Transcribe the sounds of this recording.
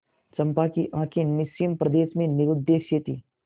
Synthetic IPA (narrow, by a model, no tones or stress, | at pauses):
t͡ʃɐmpakiʔãːkʰenɪsijəmpɾɐd̪eːʃmẽnɪɾʊd̪ːeːʃjet̪i